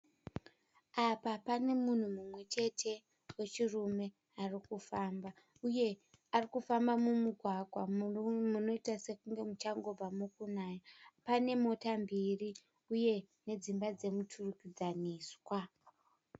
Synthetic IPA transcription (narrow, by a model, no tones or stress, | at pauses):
apapane̞mun̤umumwe̞t͡ʃe̞tʰe̞ | we̞t͡ʃirume̞ | arikufaːmba | uje̞ | arikufambamumuɡʱwaɡʱwamuno̞itase̞kuŋɡe̞mut͡ʃaŋɡo̞b͡vamukunaːjapane̞mo̞tambiri | uje̞ | ne̞d͡zimbad͡ze̞mutʰurukid͡zaniːswa